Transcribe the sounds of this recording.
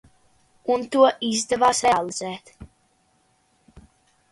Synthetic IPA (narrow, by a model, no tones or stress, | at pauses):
unt̪uɔʔizd̪ɛvaːsɾɛalˠiz̥ɛːt̪